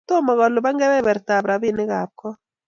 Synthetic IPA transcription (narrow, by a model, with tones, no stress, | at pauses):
to˦mɔ˨kɔ˨lʊ˨ba˦ŋɡɛ˦bɛ˦bɛ˨ɾta˨pɾa˨bɪ˦nɪ˦ka˨p̚kɔ˦